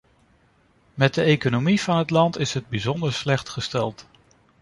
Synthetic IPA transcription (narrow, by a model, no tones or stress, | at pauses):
mɛt̚dəejkonomiv̥ɑnɦətlɑntɪsɦəd̚bizɔndəɹslɛχtχəstɛlˠt